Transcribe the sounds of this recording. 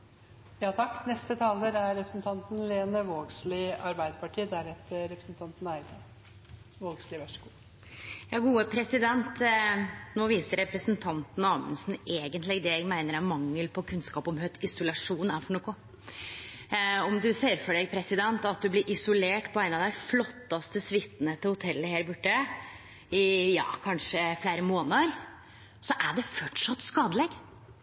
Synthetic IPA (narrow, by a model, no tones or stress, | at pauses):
jɑːt̪ʰɑkːnɛst̪ət̪ʰɑːləɾæɾːɛpɾə̥sn̩t̪ʰɑnt̪n̩leːnəʋoːɡslɪɑɾbæɪd̪əpɑʈʰiːd̪æɾɛt̪ɾɛpɾəsn̩t̪ʰɑnt̪næɪd̪ʰɑ | ʋoːɡslɪʋœʂəɡuː | jɑːɡuːəpʰɾɛsɪd̪ɛnt̪ | noːʋiːsəɾɛpɾəsənt̪ʰɑnt̪n̩ɑːmʉ̰nsn̩eːɡənt̪lɪɡd̪ɛjæɡmæɪnəɾæɾmɑŋːəlpʰɔkʰʉnskɑːpɔmɦœt̪ɪsʊlɑʂuːnæɾfɔɳoːkʊ | ɔmd̪ʉseːɾfɔɖɛɡpʰɾɛsɪd̪ɛnt̪ɑt̪̚d̪ʉblɪɾʔɪsʊleːʈpʰɔæɪnɑʋd̪æɪflɔt̪ːɑst̪əsʋɪt̪ːnət̪ʰɪlhʊt̪ʰɛlːəheːɾbʉʈːə | ɪjɑ̰ːkʰɑnʂəfleːɾəmoːnəɾ | sɔʔæɖɛfɔʈʂɑt̪ːskɑːd̪əlɛɡ